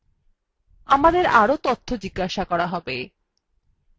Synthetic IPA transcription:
amad̪eɾaɾot̪ot̪ʰːod͡ʑiɡːaʃakɔɾaɦɔbe

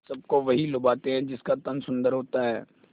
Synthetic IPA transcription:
sɐb̚koʋɐɦilʊbaːt̪eɦɛ̃d͡ʒɪskat̪ɐnsʊ̃nd̪əɾɦoːt̪aɦɛː

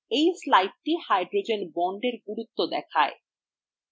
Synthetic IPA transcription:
ejslajʈ̚ʈihajɖɾod͡ʑenbɔɳɖeɾɡuɾut̪ːod̪ɛ̰kʰae

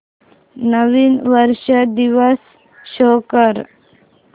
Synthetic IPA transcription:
nəʋinʋəɾʃəd̪iʋəsː | okəɾ

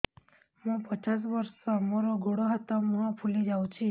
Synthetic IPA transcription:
ɦũːpət͡ʃas̬ʋəɾsomoɾoɡʱoɽoɦat̪aməɦãpʰulid͡ʒaũt͡ʃʰi

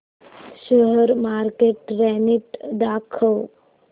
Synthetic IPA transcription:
ʃəɦəɾmaːɾkeːʈɾɛniʈd̪aːkʰəw

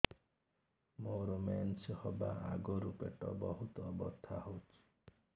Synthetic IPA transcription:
moɾɔmɛnt͡ʃhɔbaaɡɔɾupeʈɔbɔɦut̪ɔːbɔst̪ʰːahowt͡ʃʰi̥

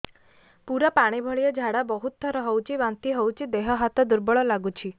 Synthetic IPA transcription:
puɾapaɽ̃ibʱɔɭijɔd͡ʒʱaɽabɔɦut̪̚ːɔɾɔɦowt͡ʃʰibant̪iɦowt͡ʃʰid̪eɦɔɦat̪ɔd̪uɾbɔɭɔlaɡut͡ʃʰi

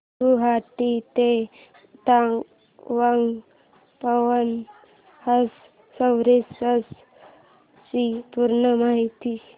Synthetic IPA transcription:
tuɦat̪it̪e | t̪aŋɡ | ʋaŋ | pəʋən | həsː | əwɾesəs | t͡ɕipuɾɳəmaɦit̪i

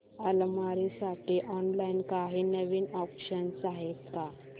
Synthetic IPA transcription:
əlmaɾisaʈʰiʔɔnlainkaɦiːnəʋiːnɔpɕənsaɦet̪ka

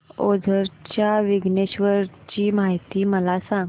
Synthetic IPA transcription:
od͡zʱəɾt͡ɕjaʋiɡneɕʋəɾt͡ɕiːmaɦjt̪iːməlasãŋɡ

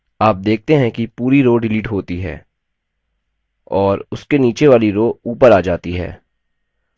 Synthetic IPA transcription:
aːp̚d̪eːk̚t̪eɦɛ̃kipuːɾiɾoːɖɪliːʈɦoːt̪iɦɛ̰ː | ɔːɾʊskeniːt͡ʃeʋaːliɾoːuːpəɾaːd͡ʒaːt̪iɦɛ̰ː

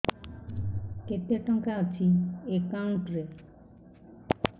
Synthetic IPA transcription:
ket̪ːeʈːɔŋkeat͡ɕʰiekauɳʈɾe

